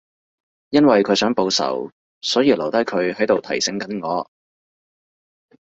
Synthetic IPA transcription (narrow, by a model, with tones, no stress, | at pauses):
jɐ˥nwɐ˨jkʰɵ˨˧sœː˨˥ŋpo˨˧wsɐ̰˨˩w | sɔː˨˥jiː˧lɐ˨˩wt̪ɐ˥jkʰɵ˨˧ɥhɐ˨˥jt̪o˨wt̪ʰɐ˨˩jsɪ˨˥ŋkɐ˨˥nŋɔː˨˧